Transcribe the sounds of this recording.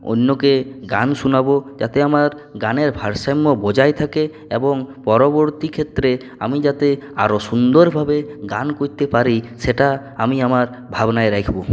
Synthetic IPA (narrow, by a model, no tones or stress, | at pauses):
o̰nːokeɡa̰nʃunabod͡ʑat̪eamaɾ | ɡaneɾbʱaɾʃamːobɔd͡ʑajt̪ʰake | eboŋpɔɾoboɾt̪ikʰet̪ːɾe | a̰mid͡ʑat̪ea̰ɾoʃund̪oɾbʱabeɡankoɾt̪epaɾiʃeʈa | amiamaɾ | bʱabnaeɾɛkʰbo